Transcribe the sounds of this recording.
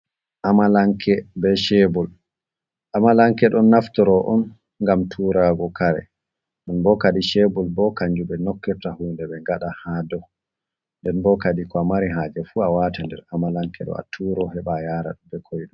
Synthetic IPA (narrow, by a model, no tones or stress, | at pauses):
ʔamalaŋkʰɛbɛʃɛbɔl | ʔamalaŋkɛɗɔnːaftɔɾɔʔɔn | ŋɡamtʰuɾaɡɔkaɾɛ̰ | ɗɔnbɔkaɗiʃɛbɔlbɔkaɲd͡ʒubɛnɔkːɛɾtahuːndɛɓɛŋɡaɗahadɔ | ndɛnbɔkaɗikɔamaɾiɦad͡ʒɛfuawatandɛ̰ɾamalaŋkɛ̰ɗɔ̰a̰tʰuɾɔhɛɓajaɾa̰ɗubɛkʰojɗum